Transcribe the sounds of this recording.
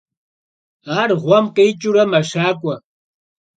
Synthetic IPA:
aɾχwamkajt͡ʃʊɾamaʃaːkʷwa

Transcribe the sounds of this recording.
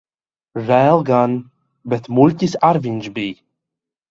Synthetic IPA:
rælˠɡan | bɛt̪mulʲcʲisaɾvinʲʃbiː

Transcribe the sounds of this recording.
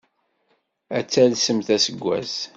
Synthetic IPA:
æt͡sːælsəmθæsəɡʷːæ̰z

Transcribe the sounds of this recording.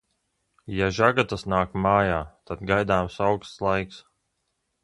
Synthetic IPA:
jaʒaɡat̪asnaːkmaːjaːt̪ad̪ɡajd̪aːmsawkst̪slˠajks

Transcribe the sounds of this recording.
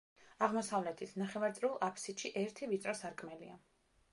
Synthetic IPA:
aʁmɔsavlɛt̪ʰisʰnaχɛvaɾt̪sʼɾulˠapʰsit̪ʃiʔɛɾt̪ʰivit̪sʼɾɔsaɾkʼmɛlia

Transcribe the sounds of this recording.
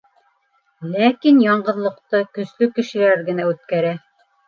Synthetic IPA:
lækinjɑɴɢɤ̆ðlˠɤ̆qt̪ɤkɵ̆slɵkɘ̆ʃɘ̆læɾɡɘ̆næʉt̪̚kæɾæ

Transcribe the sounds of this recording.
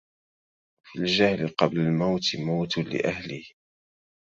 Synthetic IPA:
fild͡ʒahlɪqɑblalmawt̪mawt̪lɪ̰ʔahlɪh

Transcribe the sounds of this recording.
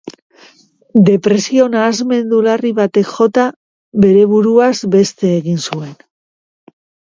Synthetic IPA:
d̪e̞pɾe̞sio̞naːzme̞nd̪ulariβat̪e̞kʝo̞t̪a | βe̞ɾe̞βuɾuazbe̞st̪e̞ːɣinsue̞n

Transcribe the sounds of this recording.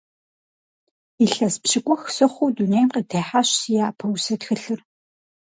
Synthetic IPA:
iɬɐspɕɪkʷʼɔxsɨχʷuːdunejmqitʰeːħaɕsijaːpʰɐwsɐtxɨɬɨr

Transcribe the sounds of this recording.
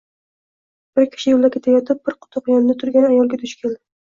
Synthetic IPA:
b̥ɪɾkʲʰɪ̥ʃɪjolˠakʲʰet̪ʰajɒt̪ʰɪp̚b̥ɪɾqʰʊ̥t̪ʰʊqjɒnɪd̪at̪ʰʊɾɡʲanajɒlˠɡʲat̪ʰʊʃkʲeld̪ɪ

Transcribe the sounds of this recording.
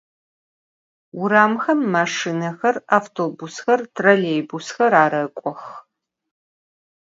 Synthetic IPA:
wʊɾaːmxɐmːaːʂinɐxɐra̰ːftʰoːbusxɐrtʰrɐlejbusxɐɾaːɾɐkʷʼɔx

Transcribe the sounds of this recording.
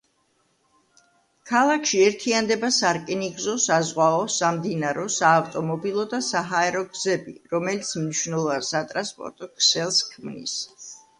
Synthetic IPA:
kʰalˠakʰʃiɛɾt̪ʰiand̪ɛbasaɾkʼɛniɡzɔsazʁwaɔsamd̪inaɾɔsaːft̪ʼɔmɔbilˠɔd̪asaɦaɛɾɔɡzɛbḭɾɔmɛlit̪sʰmniʃnɛlˠɔvansat̪ʼɾanspʼɔ̰ɾt̪ʼɔkʰsɛlˠskʰmnḭs

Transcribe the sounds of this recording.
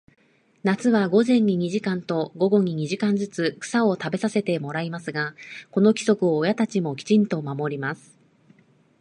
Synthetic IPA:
nat͡sɨβaɡo̞zẽ̞ɲ̟ːiɲ̟iʑikãnt̪o̞ɡo̞ɡo̞ɲ̟iɲ̟iʑikãɲd͡zɨt͡sɨkɯ̥sao̞t̪abe̞sase̞t̪e̞mo̞ɾaimasɨɡako̞no̞kʲi̥so̞kɯ̟oːjat̪at͡ɕimo̞kʲi̥t͡ɕĩnt̪o̞mamo̞ɾʲimasɨ̥

